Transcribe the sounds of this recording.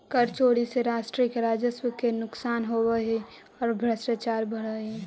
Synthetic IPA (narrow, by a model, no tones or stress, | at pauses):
kəɾt͡ʃoːɽiseɾaːʃʈɾiəkɾaːd͡ʒəswəkenʊksaːnɦowəe | ɔːɾbʱɾəsʈat͡ʃaːɾbəɽəe